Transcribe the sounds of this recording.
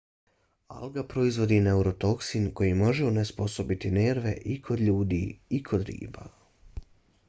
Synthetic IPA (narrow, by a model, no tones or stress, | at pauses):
a̰lɡapɾo̞izʋo̞d̪ine̞uɾo̞t̪o̞ksinko̞jimo̞ʒeunespo̞so̞bit̪ineɾʋe̞ʔikʰo̞d̪ʎuːd̪iikʰo̞d̪ɾḭːba̰